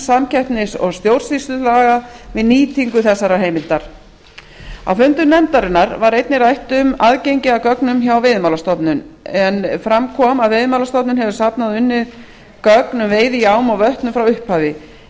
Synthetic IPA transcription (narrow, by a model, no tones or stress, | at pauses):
samcɛht̪nɪsɔ̰ɣst̪jowɾ̥svisʏlaːɣavɪðniːt̪ʰiŋkʏθɛsːaɾaɦeːjmɪnt̪aɾ̥ | a̰wfʏmt̪ʏnɛnt̪aɾɪnːaɾvaɾejt̪nɪɾajht̪ʏmaðcejɲcɪakœknʏmçawavɪðmaːwlast̪ɔpnʏnɛnfɾamkʰɔmaðvejðmaːlast̪ɔpnʏnhɛvʏsapnaðʏnːɪð̥ | kœknʏmveːjðɪjaːwmawvœht̪nʏmfɾawʏhphaːvɪ